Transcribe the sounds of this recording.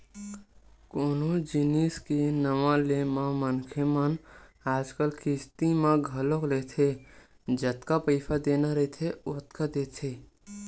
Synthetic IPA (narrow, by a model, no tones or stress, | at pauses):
koːnod͡ʒɪniskenəʋalemãmənkʰemənaːd͡ʒkəlkɪst̪imãɡʱəlokleːt̪ʰe | d͡ʒət̪kapəɪpʰad̪eːnaɾet̪ʰeot̪kad̪eːt̪ʰe